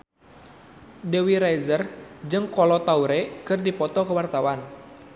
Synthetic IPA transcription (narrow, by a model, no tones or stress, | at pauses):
dɛwiɾajzərd͡ʒɨŋkɔlɔt̪auɾɛkɨrdipɔt̪ɔkəwart̪awan